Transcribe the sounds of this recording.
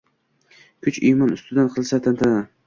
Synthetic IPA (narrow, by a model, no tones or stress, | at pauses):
kʰʊt͡ʃijmɒnʊst̪ɪd̪anqʰɨlˠsat̪ʰant̪ʰana